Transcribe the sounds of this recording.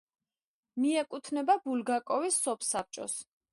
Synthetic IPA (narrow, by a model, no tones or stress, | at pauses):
miɛkʼut̪ʰnɛbabulɡakʼɔvisːɔpʰsap̚t͡ʃʼɔ̰s